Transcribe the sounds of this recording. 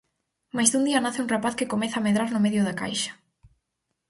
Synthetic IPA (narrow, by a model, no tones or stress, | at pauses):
majzðund̪iɐnaθeɪũŋrapaθkɪkomɛθaːmeðɾaɾnʊmeðjʊðaka̰jʃɐ̥